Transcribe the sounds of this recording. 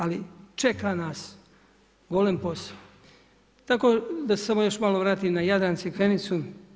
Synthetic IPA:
alit͡ʃekaːnaːs | ɡo̞lenpo̞sḁo | t̪akod̪asesamo̞jo̞ʃmaloʋɾaːt̪iːmnajad̪ɾansekʋenit̪su

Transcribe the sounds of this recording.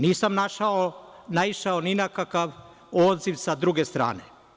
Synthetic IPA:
niːsamnaʃaonaiʃaoninakakaʋ | oːd̪ziʋsad̪ɾuɡest̪ɾa̰ːne

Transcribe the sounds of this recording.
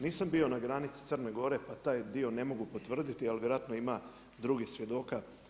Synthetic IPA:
niːsambio̞naɡɾanit̪si̥t̪sərneɡo̞ɾe̞pat̪aːjd̪io̞ne̞mo̞ɡupo̞t̪ʋr̩d̪it̪ialʋʲjeɾoat̪no̞ima | d̪ɾuɡisʋje̞d̪o̞ːka

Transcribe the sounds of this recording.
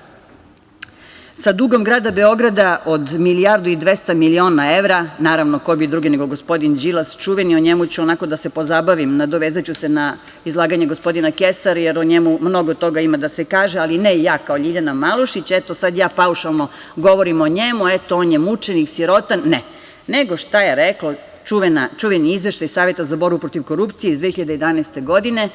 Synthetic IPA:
sad̪uɡo̞mɡɾaːd̪abe̞o̞ɡɾad̪aʔo̞d̪miliaɾd̪uid̪ʋe̞st̪amilio̞ːnaeʋɾanaːɾaʋnokobid̪ɾuɡineɡoɡo̞spo̞d̪ind͡ʑilast͡ʃuʋenioɲemut͡ɕuonako̞d̪ase̞po̞zabaʋimnad̪o̞ʋeːzat͡ɕuse̞na | izlˠaːɡaɲe̞ɡospo̞d̪inakesaɾjeɾoɲemumno̞ɡot̪o̞ɡaimad̪asekaːʒealinejaːkaoʎiʎanamalˠuʃit͡ɕet̪osad̪jaːpauʃalˠno | ɡo̞ʋoɾimoɲemuet̪oonjemut͡ʃeniksjiɾo̞t̪anːe | neɡo̞ʃt̪ajeɾeklo | t͡ʃuʋenat͡ʃuʋeniizʋeʃt̪ajsaːʋje̞t̪azabo̞ɾbupɾo̞t̪iʋko̞ɾupt̪sijeizd̪ʋexiʎad̪ejed̪anast̪e̞ɡo̞d̪ine̞

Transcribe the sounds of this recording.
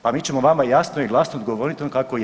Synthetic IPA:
pamiːt͡ɕe̞moʋamajasnoiɡlˠasnod̪̚ɡoʋoːɾit̪ionkakoj

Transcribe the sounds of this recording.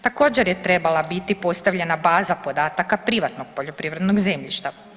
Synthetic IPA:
t̪ako̞ːd͡ʑeɾjet̪ɾe̞balˠabit̪ipo̞st̪aʋʎe̞nabaːzapo̞d̪aːt̪akapɾiʋat̪noɡ̥̚po̞ʎo̞pɾiːʋɾed̪noɡze̞mʎiʃt̪a

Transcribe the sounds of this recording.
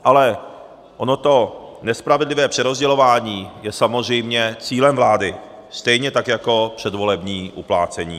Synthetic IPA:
ʔalɛ | ʔono̞t̪o̞nɛspɾavɛdlɪvɛːpr̥ɛɾo̞zɟɛlo̞vaːɲiːjɛsamozr̝ɛjmɲɛt͡siːlɛmvlaːdɪ | st̪ɛjɲɛt̪akjako̞pr̝̥ɛdvo̞lɛbɲiːʔuplaːt͡sɛɲḭː

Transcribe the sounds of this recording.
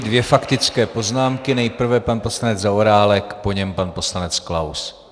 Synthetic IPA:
dvjɛfakt̪ɪt͡skɛːpo̞znaːmkɪnɛjpr̩vɛpanpo̞slanɛd͡zzaoɾaːlɛkpo̞ɲɛmpanpo̞slanɛt͡sklaws

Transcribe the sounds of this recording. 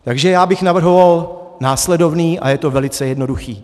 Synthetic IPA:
t̪aɡʒɛjaːbɪxnavr̩ɦo̞val | naːslɛdo̞vniːʔa̰jɛt̪o̞vɛlɪt͡sɛjɛdno̞duxiː

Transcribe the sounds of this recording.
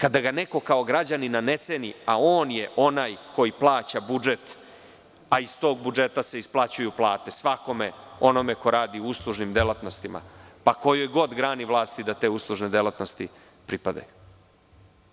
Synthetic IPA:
kad̪aɡane̞ko̞kao̞ɡɾad͡ʑaninane̞t̪seniao̞ːnje̞ʔo̞naːjko̞jiplˠaːt͡ɕabud͡ʒe̞t̪ | aist̪o̞ːɡ̚bud͡ʒe̞t̪ase̞isplˠat͡ɕujuplˠaːt̪e̞sʋako̞meo̞no̞me̞ko̞ɾaːd̪iouslˠuʒnimd̪elat̪no̞st̪ima̰pako̞jojɡo̞d̪ɡɾaːniʋlˠaːst̪id̪at̪e̞ːuslˠuʒne̞d̪elat̪no̞st̪i | pɾipad̪a̰ju

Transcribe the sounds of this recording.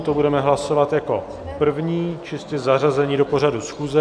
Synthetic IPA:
t̪obudɛmɛɦlaso̞vat̪jako̞̰ | pr̩vɲiːt͡ʃɪst̪ɪzarazɛɲiːdo̞po̞ɾadusxuːzɛ

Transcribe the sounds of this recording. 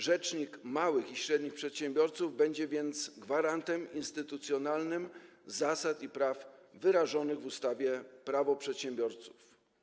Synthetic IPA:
ʐɛt͡ʂɲikmawɘxiɕɾɛd̪ɲixpʂɛt̪ɕɛmbʲjɔɾt̪suvbɛɲd͡ʑɛvʲjɛnt̪sɡvaɾant̪ɛminst̪ɘt̪ut̪sʲjɔnalnɘmzasat̪ipɾafvɘɾaʐɔnɘɣvust̪avʲjɛpɾavɔpʂɛt̪ɕɛmbʲjɔɾt̪su̥f

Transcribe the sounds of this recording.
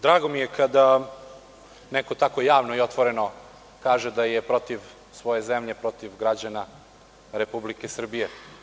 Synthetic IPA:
d̪ɾaːɡo̞mije̞kʰad̪a | neko̞t̪ako̞jaːʋnoiot̪ʋo̞ɾe̞no̞ | kaːʒed̪ajepɾo̞t̪iʋ | sʋo̞je̞zemʎe̞pɾo̞t̪iʋɡɾad͡ʑana | ɾepublike̞sr̩bije

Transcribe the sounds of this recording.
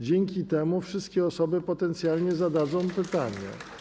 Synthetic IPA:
d͡ʑɛŋkʲit̪ɛmufʂɘst̪̚kʲɛɔsɔbɘpɔt̪ɛnt̪sʲjalɲɛzad̪ad̪zɔ̃w̃pɘt̪aɲɛ̰

